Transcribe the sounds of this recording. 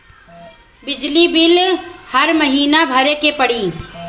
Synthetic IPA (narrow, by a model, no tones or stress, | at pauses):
bɪd͡ʒlibɪlhəɾməɦiːnabʱəɾekepəɽiː